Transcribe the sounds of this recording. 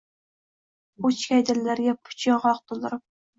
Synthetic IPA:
ot͡ʃkʲajd̪ɪlːaɾɡʲapʰʊ̥t͡ʃʰɑʁɑqt̪ʰʊlˠd̪ɪɾɪp̚

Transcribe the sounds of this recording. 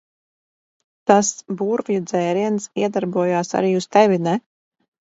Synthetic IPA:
t̪asbuɾvjud̪zɛːɾiɛnsiɛd̪aɾbuɔjaːsa̰ɾiːust̪ɛvʲinɛ

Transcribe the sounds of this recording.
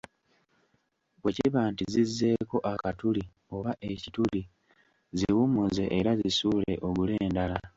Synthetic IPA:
βwe̞ciβaːntizizːe̞ːko̞ʔakatuli | o̞βaʔe̞cituli | ziwumuzeʔːɾazisuːle̞ʔo̞ɡule̞ːndala

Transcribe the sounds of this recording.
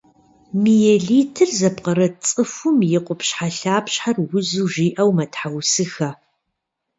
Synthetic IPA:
mijɛɮiːtʰɨrzɐpqɐɾɐt͡sʼɨfʊmjɪqʷʊpɕħaɬaːpɕħarwʊzuːʒiːʔɐwmɐtħawsɨxɐ

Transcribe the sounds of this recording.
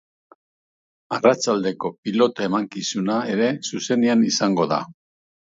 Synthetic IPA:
arat͡ʃald̪e̞ko̞pilo̞t̪ae̞maŋkisunae̞ɾe̞suse̞neanisaŋɡo̞ða̰

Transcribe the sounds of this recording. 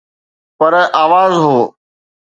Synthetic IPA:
pəɾaːʋaːzɦoː

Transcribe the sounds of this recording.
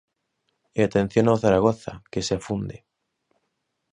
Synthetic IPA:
eat̪ẽn̟θjonawθaɾaɣ̞oθa̰keseafund̪e

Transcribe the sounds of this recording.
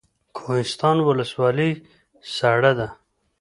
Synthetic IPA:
kʰoɦɪst̪ɑnwʊləswɑli | saɽad̪a

